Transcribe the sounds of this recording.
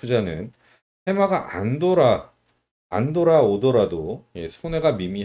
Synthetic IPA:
ud͡ʑanɯn | he̞maɡaʔa̰ndoɾa | a̰ndoɾaodoɾadojesʰone̞ɡamimiɦ

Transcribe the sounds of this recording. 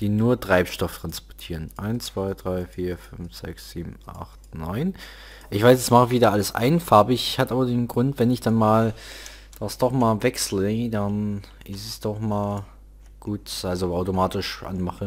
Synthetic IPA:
d̥iːnuːɐtʁ̥aɪpʃtɔfətʁ̥anspɔɐtʰiːʁənʔaɪnt͡sv̥aɪdʁaɪfiːɐfʏnfz̥ɛ̰ksz̥iːbm̩ʔa̰χtnɔʏn | ʔɪçv̥aɪsdasmaχəviːdaːʔaləsʔa̰ɪnfaɐbəɪçhatəʔaːbɐdeːnɡʁʊntv̥ɛnɪçd̥anmaːl | d̥asd̥ɔχmaːlvɛkslədan | ʔɪsəsd̥ɔχmaːl | ɡ̥uːtʔalzoʔaʊtomaːtɪʃʔa̰nmaχə

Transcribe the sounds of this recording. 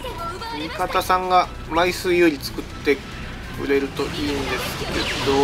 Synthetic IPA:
ɯmʲikat̪asãŋɡa | maisɨːjoɾʲit͡sɨ̥kɯ̟t̪ːe̞ | kɯ̰ɾe̞ɾɯ̟t̪o̞ʔiɯ̃nd̪e̞sɨ̥ke̞ed̪o

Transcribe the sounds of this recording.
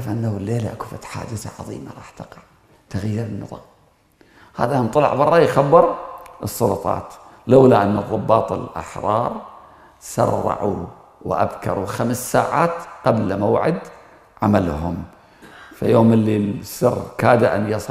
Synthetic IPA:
fʔanːawlːeːlaʔakufat̪ħa̰ːd͡ʒɪθa̰ʕɑðˤḭːmaɾˤɑːħt̪ɑqɑʕ | t̪aɣajːɪɾɪnːɨ̰ðˤɑːm | ha̰ːðaʔnt̪ˤɨlɑ̰ʕbɑrˤːɑjxabːɨɾʔɨsˤːɑlʊt̪ˤɑ̰ːt̪ | lawlaʔanːʊðˤːɑbːɑːt̪ˤɪlʔa̰ħɾˤɑːɾˤ | sɑ̰rˤːɑ̰ʕṵ | wɪʔa̰bkɑ̰ɾˤuxamsːaːʕaːt̪qablmawʕɪd̪ | ʕamalhʊm | fajoːmɪlːisːɨrkaːd̪aʔanːjɑsˤ

